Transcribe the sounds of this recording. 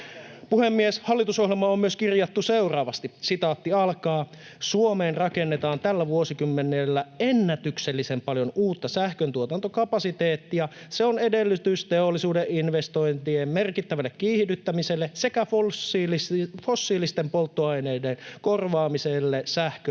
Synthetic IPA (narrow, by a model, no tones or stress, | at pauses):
puhemːieshɑlːit̪uso̞ɦjelmɑommyøskirjɑt̪ːuse̞urɑːʋɑst̪isit̪ɑːt̪ːiɑlkɑː | suome̞ːnrɑkenːet̪ɑːnt̪ælːæʋuosikymːenelːæenːæt̪ykselːisempɑljo̞nuːt̪ːɑsæhkønt̪uot̪ɑnt̪okɑpɑsit̪eːt̪ːijɑ | seone̞delːyt̪yst̪eolːisuːdeʔinʋest̪o̞jnt̪iemme̞rkit̪ːæʋælːekkiːhd̪yt̪ːæmiselːese̞kæflfo̞sːiːlist̪empo̞lt̪ːoɑjne̞ːdenko̞rʋɑːmiselːesæhkø